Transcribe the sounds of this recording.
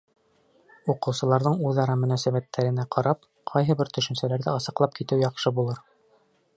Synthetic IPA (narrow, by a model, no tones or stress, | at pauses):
uqɤ̆wsɤ̆lˠɑɾðɤɴuðɑɾɑmɵ̆næsæβæt̪ːæɾɘ̆næqʰɑɾɑp̚ | qʰɑjɦɤ̆bɘɾt̪ɵ̆ʃɵ̆nsælæɾðɘɤsɤ̆qlˠɑp̚kit̪ɘwjɑqʃɤbulˠɤɾ